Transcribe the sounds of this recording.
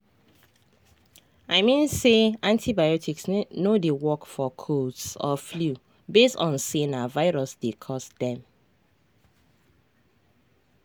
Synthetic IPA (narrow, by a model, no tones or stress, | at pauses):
aɪmĩnseãntʰibaɪɔtʰiksnodewɔkfɔkʰodsɔflu | bestɔ̃nsẽnavaɪɹɔsdekʰɔsdɛ̃m